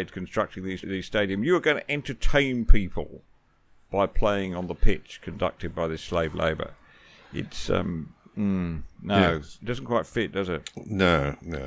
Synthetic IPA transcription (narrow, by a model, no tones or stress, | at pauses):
dz̥kʰn̩stɹ̥ʌk̚tɪ̃ŋðizðiz̥steɪɾiɨ̃mjɨə˞ɡʌ̃ʊ̃nɨʔɛ̃ntʰə˞tʰẽɪ̃npʰipʰə̰l̩ˠ | b̥aɪpʰl̥eɪɪ̃ŋə̃nðəpʰɪt͡ʃkʰɨ̃ndʌ̰k̚tɨd̚baɪðɪsleɪvlḛɪbə̰˞ | ɪ̰tsʌ̰̃mm̩noʊd̥ʌzn̩kʰw̥aɪtfɪt̚d̥ʌzɪt̚noʊno